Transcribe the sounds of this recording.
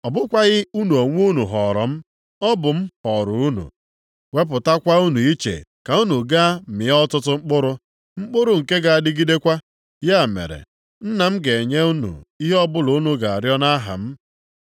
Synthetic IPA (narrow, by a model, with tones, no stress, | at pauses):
ɔ˨bʊ˦kʷa˦ɣɪ˦u˦nu˨o˨ŋʷ˦u˦nu˨ɦɔ˨ɾɔ˨m̩˦ | ɔ˦bʊ˨m̩˦hɔ˨ɾʊ˨u˦nṵ˨ | we˦p̬ʊ˨ta˦kʷa˦u˦nu˨i˦t͡ʃḛ˨ka˨u˦nu˨ɡa˦˨mɪ˨˦ɔ˦tʊ˦tʊ˦ŋ͡m̩˦k͡pʊ˦ɾʊ˦ | ŋ͡m̩˦k͡pʊ˦ɾʊ˦˨ŋ̩˨ke˦ɡa˨a˨dɪ˦ɡi˦de˦kʷa˦ | ja˦˨mḛ˨ɾḛ˨ | n̩˦na˨m̩˦ɡe˨ɲe˦u˦nṵ˨i˦ɦe˦ɔ˦bʊ˦lʊ˨u˦nu˨ɡa˨a˨ɾjɔ˦na˦ɦa̰˨m̩˦